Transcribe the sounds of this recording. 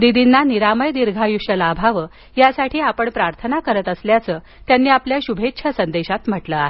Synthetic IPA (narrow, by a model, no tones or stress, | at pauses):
d̪id̪inːaniɾaməjd̪iɾɡʱajuʂəlabʱaʋə | jasaʈʰiːapəɳpɾaɾt̪ʰənakəɾət̪əsljat͡səː | t̪janːiːapljaɕubʱetːɕʰəsənd̪eɕat̪m̤əʈləaɦe